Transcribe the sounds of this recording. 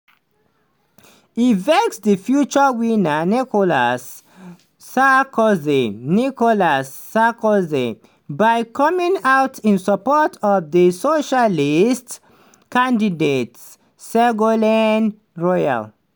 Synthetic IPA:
iveksdəfjut͡ʃəwinənikolasː | akozinikolasːakozḭ | baɪkʰɔmĩŋawtʰĩnsəpɔtʰɔvðəsoʃalist | kãndidets | sɛɡolɛn | ɹɔja̰l

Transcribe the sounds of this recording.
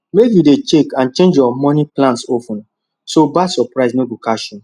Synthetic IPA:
mekjudet͡ʃekãnt͡ʃẽnd͡ʒjɔmɔniplãntsopɔ̃n | sobasɔpɾaɪsnoɡukaʃɔ̃n

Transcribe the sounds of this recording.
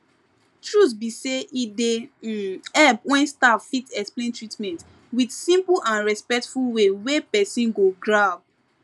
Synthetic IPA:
tɹutbiseʔide | ɛpwɛ̃nstavfitɛksplẽntɹitmɛ̃nt | widsĩmpulʔãnɹɛspɛk̚tfulwewepɛsĩnɡoɡɹab̚

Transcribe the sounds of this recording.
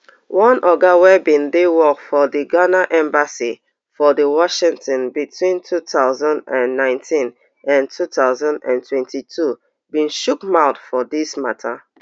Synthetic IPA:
wɔ̃nʔɔɡawɛbĩndewɔkfɔdiɡanaʔɛ̃mbasi | fɔdəwɔʃĩŋtɔ̃nbitʰwĩntʰutʰaʊzãndãnːãɪ̃ntʰĩn | ʔãntʰutaʊzãndã̰ntʰwɛ̃ntitʰu | bĩnʃukmaʊtfɔdismatʰa

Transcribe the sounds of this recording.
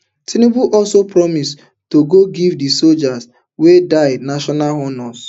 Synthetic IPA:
tʰinebuʔɔlsopɹɔmis | toɡoɡivdisold͡ʒas | wedaɪdnaʃɔnaɦɔnɔs

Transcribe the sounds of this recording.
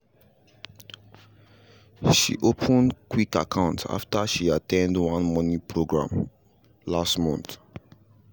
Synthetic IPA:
ʃḭʔopʰə̃ndkwikakʰãʊ̃nta̰ftaʃiatʰɛ̃ndwãnmɔnĩpɹoɡɹã̰m | lastmɔ̰̃nt

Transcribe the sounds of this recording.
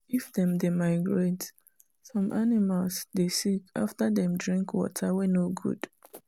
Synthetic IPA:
ifdɛ̃mdemaɪɡɹet | sɔ̃mʔanimalˠsdesika̰ftaðɛ̃mdɹĩŋkwɔ̰tʰawenoɡṵd̥

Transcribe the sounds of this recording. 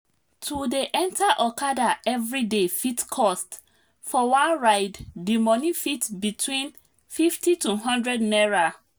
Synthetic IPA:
tʰudeʔɛ̃ntʰaʔɔkadaɛvɹidefitkʰɔst | fɔwãnɹaɪdːimɔnifitbitʰwĩn | fiftituɦɔ̃ndɹɛdnɛɹa

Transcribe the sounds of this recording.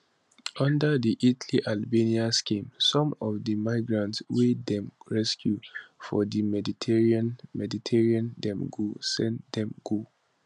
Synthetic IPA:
ɔ̃ndədiʔitliʔalbeniaskĩmsɔ̃mɔfdəmaɪɡɹãntswedɛ̃mɹɛskjufɔ̰dimɛditʰɛɹiãnmɛditʰɛɹiãndɛ̃mɡosɛ̃ndɛ̃mɡo

